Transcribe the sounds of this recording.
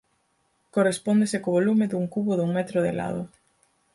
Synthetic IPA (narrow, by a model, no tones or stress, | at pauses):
korespɔnd̪esɪkoβolumɪðuŋkuβoðuŋmɛt̪ɾʊðɪla̰ðʊ̰